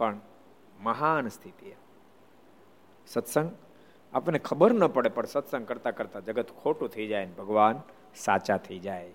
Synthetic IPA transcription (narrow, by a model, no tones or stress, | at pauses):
pɐɳ | mɐɦaːnst̪ʰit̪ija | sɐt̪sə̃ŋɡ | a̰ːpnẽkʰɐbəɾnɐpəɽepɐɳsɐt̪sə̃ŋɡ̚kɐɾt̪akɐɾt̪ad͡ʒɐɡət̪kʰoːʈut̪ʰɐid͡ʒaːenibʱɐɡʋaːn | saːt͡ʃat̪ʰɐid͡ʒaːe